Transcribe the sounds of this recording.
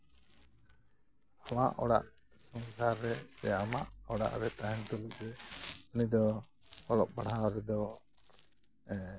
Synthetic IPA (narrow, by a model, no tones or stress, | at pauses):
ama̰ʔɔɽa̰ʔ | sɔŋsaɾːɛsɛamaʔɔɽa̰ʔɾɛt̪aɦɛnt̪ɔluʔɾɛunid̪ɔ | ɔlɔʔ̚baɽ̤aɾɛd̪ɔ